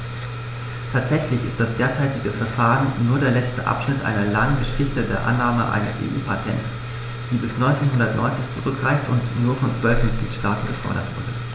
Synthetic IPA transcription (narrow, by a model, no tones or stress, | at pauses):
tʰaːtz̥ɛçlɪçɪst̚d̥asd̥eːɐt͡saɪtɪɡəfɛɐfaːʁənːuːɐdeːɐlɛt͡stəʔa̰pʃnɪtʔa̰ɪnɐlaŋənɡəʃɪçtədeːɐʔa̰nːaːməʔa̰ɪnəsḛːʔṵːpʰatʰɛnts | d̥iːbɪsnɔʏnt͡seːnɦʊndɐtnʔɔ̰ʏnt͡sɪçt͡suʁʏkɡʁaɪftʊ̰ntnuːɐfɔnt͡sv̥œlfmɪt̚ɡ̥liːtʃtaːtn̩ɡɐfɔ̰ɐɾɐ̰tv̥ʊɐdə